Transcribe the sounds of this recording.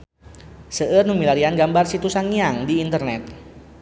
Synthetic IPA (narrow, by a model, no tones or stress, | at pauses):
səʔərnumilaɾianɡambarsit̪usaŋiaŋdiːnt̪ərnɛt̪̚